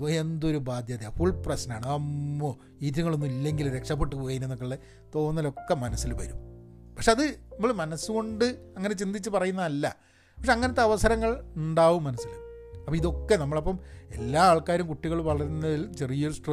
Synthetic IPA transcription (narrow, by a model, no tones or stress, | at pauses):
oend̪oɾubaːd̪ʱjaːd̪jafuɭprɐsɐnaːɳɨɐmːo | iːt̪ɾuŋːɐɭonːumilːe̞ŋɡilɾe̞kʂɐp̬ːe̞ʈːupoːɣɐjinenːokːɐɭːe | t̪o̞ːnːɐlo̞kːemɐnɐsːilʋɐ̰ɾum | pɐkʂe̞ɐðɨnɐmːɐɭmɐnɐsːuko̞ɳɖɨɐŋːɐne̞t͡ɕind̪it͡ɕːɨpɐrɐjunːɐɐlːɐ | pɐkʂe̞ɐŋːɐnɐt̪ːeɐʋɐsɐɾɐŋːɐɭuɳɖaːʋumːɐnɐsːil | ɐpːɐiðo̞kːe̞nɐmːɐɭɐpːɐme̞̰lːaːaːɭkaːɾjɐmkuʈːiɣɐɭumʋɐɭɐɾunːɐðilt͡ɕe̞rijosʈr